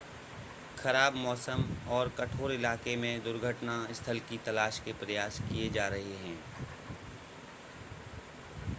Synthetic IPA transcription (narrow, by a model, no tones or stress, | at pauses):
xɐɾaːbmɔːsəmɔːɾkɐʈʰoːɾɪlaːkemẽd̪ʊɾɡʱəʈnaɪst̪ʰəlkit̪ɐlaːʃkepɾɐjaːskijed͡ʒaːɾɐɦeɦɛ̃ː